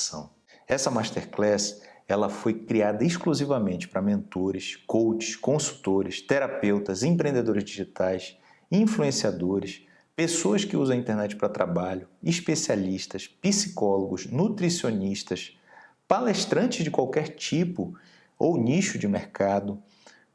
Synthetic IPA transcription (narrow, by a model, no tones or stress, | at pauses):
sɐ̰̃w̃ | ɛsɐmaʃt̪eɾklɛsɛlɐfojkɾiad̪ɐiʃkluzivɐmẽnt͡ʃɪ̥pɾɐmẽnt̪oɾɪskowt͡ʃɪ̥ʃkõsu̥t̪oɾɪst̪eɾapewt̪ɐzẽpɾẽnd̪ed̪oɾɪzd͡ʒiʒit̪ajs | ĩfluẽsiad̪oɾɪs | pesoɐskɪuzɐ̃ĩnt̪eɾnɛt͡ʃɪ̥pɾɐt̪ɾabaʎʊiʃpesialiʃt̪ɐspisi̥kɔloɡʊʃnut̪ɾisioniʃt̪ɐs | paleʃt̪ɾɐ̃nt͡ʃɪzd͡ʒɪkwawkɛɾt͡ʃipʊ | owniʃʊd͡ʒɪmeɾkad̪ʊ